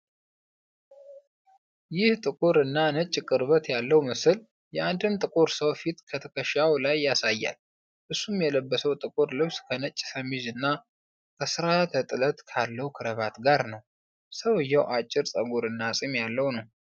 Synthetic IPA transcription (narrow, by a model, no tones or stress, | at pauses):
jɪht̪ʼɨkʼuɾɨnːanət͡ʃʼːkʼɨɾβət̪jalːəwmɨsɨl | jɛʔand̪ɨmt̪ʼɨkʼuɾsəwfit̪kʰət̪ʰəkʰəʃawlajːasajːa̰l | ʔɨsːumjɛləbːəsəwt̪ʼɨkʼuɾlɨβskʰənət͡ʃʼːsəmizɨnːa | kʰəsɨɾat̪ʰət̪ʼɨlət̪kʰalːəwkʰɨɾəβat̪ɡaɾnəw | səwɨjːɛwʔat͡ʃʼːɪɾsʼəɡuɾɨnːasʼimjalːəwnəw